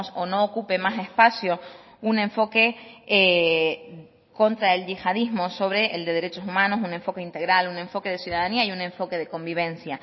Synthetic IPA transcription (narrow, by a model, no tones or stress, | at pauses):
sono̞ːkupe̞mase̞spasjo̞ | unẽ̞ɱfo̞ke̞e | ko̞nt̪ɾae̞lʝixaðizmo̞so̞β̞ɾe̞ʔeld̪e̞ðeɾe̞t͡ʃo̞sumãno̞sune̞ɱfo̞keint̪e̞ɣɾalunẽ̞ɱfo̞ke̞ð̞esjuðaðaniaiunẽ̞ɱfo̞ke̞ð̞e̞ko̞mbiβ̞ẽ̞nsja